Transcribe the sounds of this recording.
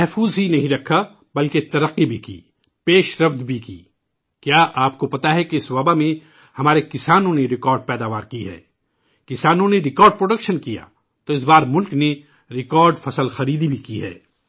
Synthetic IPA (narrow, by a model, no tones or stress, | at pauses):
mɛɦfuːzɦinɐɦĩɾɐkʰːa | bɐlket̪ɐɾɐqːibʱikḭː | peːʃɾɐfd̪bʱikḭː | kjaːʔaːp̚kopɐt̪aɦɛkeɪsʋɐbamẽ | hɐmaːɾekɪsaːnõneɾɪkɔːɾɖ̚pɛːd̪aːʋaːɾkiɦɛ̰ː | kɪsaːnõneɾɪkɔːɾɖ̚pɾoːɖɐkʃənkija̰ː | t̪oɪs̬baːɾmʊlkne | ɾɪkɔːɾɖfɐsəlxɐɾiːd̪ibʱikiɦɛ̰ː